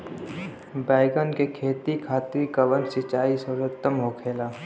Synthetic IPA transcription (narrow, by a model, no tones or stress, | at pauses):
baːɪɡənkekʰeːt̪ikʰaːt̪ɾikaʋə̃nsɪt͡ʃaːisəɾət̪ːəmɦoːkʰeːlaː